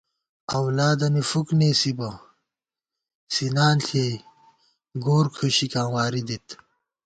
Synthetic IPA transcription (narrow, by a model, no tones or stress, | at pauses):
ɐwlaːd̪ɐnifukneːsibɐ | sinaːnɬʰeː | ɡoːɾkʰuɕikãːwaːɾid̪it̪